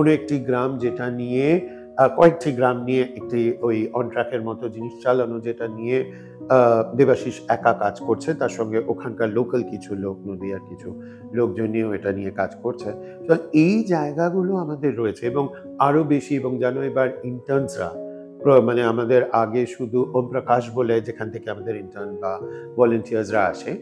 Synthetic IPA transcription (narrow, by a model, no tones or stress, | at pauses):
konoek̚ʈiɡɾamd͡ʑeʈanije | kɔek̚ʈiɡɾamnijeʔek̚ʈiojɔnʈɾakeɾmɔt̪od͡ʑiniʃt͡ɕalonod͡ʑeʈanije | b̪ebaʃiʃɛkakad͡ʑkoɾt͡ɕʰet̪aɾʃɔŋɡeʔokʰankaɾlokəlkit͡ɕʰulok̚nod̪ʱiaɾkit͡ɕʰu | lok̚d͡ʑonːioeʈanijekad͡ʑkoɾt͡ɕʰe | t̪ɔejd͡ʑaeɡaɡuloamad̪eɾːoet͡ɕʰeeboŋ | aɾobeʃieboŋd͡ʑɛnoebaɾiɳʈəɾnsɾa̰ | pomaneamad̪eɾaɡeʃud̪ʱuʔɔmpɾakaʃboled͡ʑekʰanet̪ʰekeamad̪eɾiɳʈəɾnbabɔloɳʈiaɾzɾaa̰ʃe